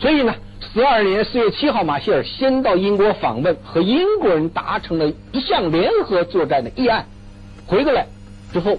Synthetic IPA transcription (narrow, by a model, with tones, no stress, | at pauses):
swɔ˧˥i˨˩nə˦ | sɹ̩˧˥ə˞˥˩njɛ˧˥nsɹ̩˥˧ɥɛ˥˩t͡ɕʰi˥xɑ˥˩ʊma˨˩ɕi˥ə˞˨˩ɕjɛ˥nt̪ɑ˥˩ʊi˥nkwɔ˧˥fɑ̰˨˩ŋwə˥˩nxɤ˧˥i˥nkwɔ˧˥ɻə˧˥nt̪a˧˥ʈ͡ʂʰɤ˧˥ŋd̪ə˧ | i˧˥ɕjɑ˥˩ŋljɛ˧˥nxɤ˧˥t͡swɔ˥˧ʈ͡ʂa˥˩nd̪ə˩ʔi˥˧a˥˩n | xwe˧˥ɪku˥la˧˩ɪ | ʈ͡ʂɻ̩˥xo˥˩ʊ